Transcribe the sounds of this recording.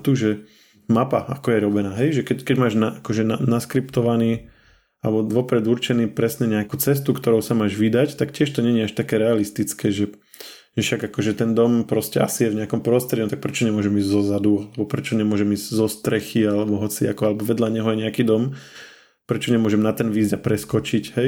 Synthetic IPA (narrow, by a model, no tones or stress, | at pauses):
t̪uʒɛ | mapa̰a̰kɔjɛɾɔbɛnaːɦɛjʒɛkɛckɛɟmaːʒnaakɔʒɛnanaskɾipt̪ɔʋaniː | alɛbɔʋɔpɾɛd̪uɾt͡ʃɛniːpɾɛsɲɛɲɛakut͡sɛs̬t̪ukt̪ɔɾɔʊsamaːʒʋid̪act̪akcɪɛʃt̪ɔɲɛɲiaʃt̪akɛːɾɛalist̪it͡skɛːʒɛ | ʒɛfʃaɡakɔʒɛt̪ɛnd̪ɔmpɾɔscɛʔa̰sijɛvɲɛakɔmpɾɔst̪ɾɛdɔmt̪ak̚pɾɛt͡ʃɔɲɛmʊɔʒɛmiːzzɔzad̪ualɛbɔpɾɛt͡ʃɔɲɛmʊɔʒɛmiːzɟzɔst̪ɾɛxialɛbɔɦɔt͡sia̰kɔalɛbɔʋɛd̪ʎaɲɛɦɔjɛɲɛakiːd̪ɔm | pɾɛt͡ʃɔɲɛmʊɔʒɛmnat̪ɛnʋiːzɟapɾɛskɔt͡ʃicɦɛj